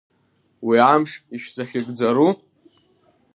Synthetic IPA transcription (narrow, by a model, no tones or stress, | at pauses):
wiamʂiʃᶣzaχʲɪkʼd͡zaɾu